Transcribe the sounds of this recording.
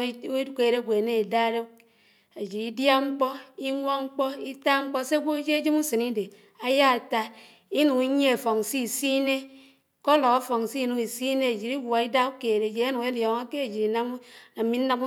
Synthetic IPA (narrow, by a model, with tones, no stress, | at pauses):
ke˨ɾe˦ɡʷe˨ne˦i˨da˦ɾe˦ | e˨d͡ʒi˨ɾi˦dja˦ŋ͡m̩˦k͡pɔ˦i˦ŋʷɔ˦ŋ͡m̩˦k͡pɔ˦i˦ta˦ŋ͡m̩˦k͡pɔ˦se˦a˦ɡʷo˦e˦d͡ʒe˦e˦d͡ʒi˦mu˦sɨ˨ni˦de˨ | a˦ja˦a˨ta˦ | i˦nu˨ŋi˦ɲ˦e˦e˨fo˨ŋ˨si˦˨si˦ne˦ | kɔ˦lɔ˨ka˦fɔ˨ŋ˨si˦˨nu˨ki˨si˦ne˦e˨d͡ʒi˨ɾi˦ɡa˨i˦da˦u˦ke˨ɾe˨d͡ʒi˨a˦nu˨ke˦ljɔ˨ŋa˦ke˦e˨d͡ʒi˨ɾi˨na˦m˦na˨mi˦n̩˦na˦mu˦